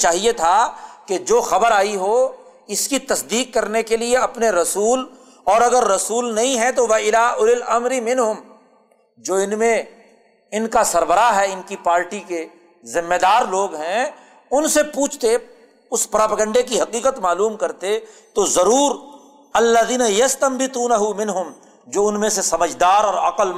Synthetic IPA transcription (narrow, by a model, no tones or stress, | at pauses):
t͡ʃaːɦiet̪ʰaked͡ʒoːxɐbəɾaːiɦo | ɪskit̪ɐsd̪iːq̚ːɐɾnekelieɐpneɾɐsuːl | ɔːɾɐɡəɾːɐsuːlnɐɦĩɦɛt̪oʋɐɪlaːʊlɪlɐmɾimɪnɦʊm | d͡ʒoːɪnmẽ | ɪnkasɐɾbəɾaɦɛɪnkipaːɾʈike | zɪmːed̪aːɾloːɡɦɛ̃ | ʊnsepuːt͡ʃʰt̪e | ʊspɾaːpəɡə̃ɳɖek̬iɦɐqiːqət̪maːluːmkɐɾt̪et̪ozɐɾuːɾ | ɐlːəðiːnajɐst̪ɐmbɪt̪uːnɐɦʊmɪ̃nɦʊm | d͡ʒoːʊnmẽsesɐməd͡ʒd̪aːɾɔːɾɐqəl